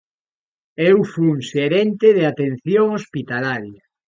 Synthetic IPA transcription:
ewfuuŋseɾent̪eðeat̪enθjoŋospit̪alaɾja

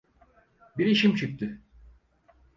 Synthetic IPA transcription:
biɾiʃimt͡ʃʰyk̚t̪ʰy

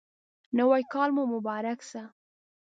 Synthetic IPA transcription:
nawajkɑlmomʊbɑɾaksa

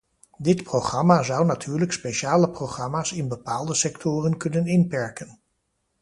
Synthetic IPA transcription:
dɪtprowχrɑmaːzʌwnatʰyːɹləkspejʃaːləproχrɑmaːsɪnbəpaːlˠdəsɛktʰʊːrənkɵnənɪnpɛɹkən

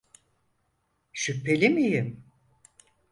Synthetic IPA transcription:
ʃypʰːe̞lʲimijɪm

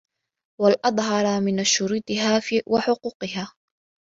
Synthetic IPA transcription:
walʔɑd̪ˤɦɑɾˤɑmɪnaʃːʊɾuːt̪ˤɨɦaːfwʔaħʊquːqɨɦaː

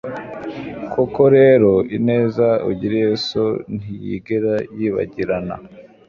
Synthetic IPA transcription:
kʰoko̞ɾe̞ːɾo̞ine̞ːzauɟiɾejeson̥ijḭɡeɾajiːβa̰ɟiɾana̰

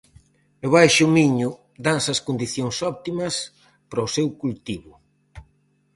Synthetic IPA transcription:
eβajʃʊmiɲʊ | d̪ansɐskond̪iθjoŋsɔp̚t̪imɐs | pɾɔsewkult̪iβʊ

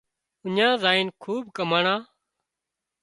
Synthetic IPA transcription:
ʊɲãːzaːiːnkʰuːb̚kəmaːɳãː

